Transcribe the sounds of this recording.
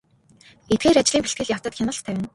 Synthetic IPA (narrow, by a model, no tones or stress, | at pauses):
et̪̚ɡeːɾat͡ɕɪɮiːŋpeɬt̪̚ɡɘ̆ɮʲjaw̥t̪ə̆t̪xʲanə̆ɬt̪ʰæwʲæ̆n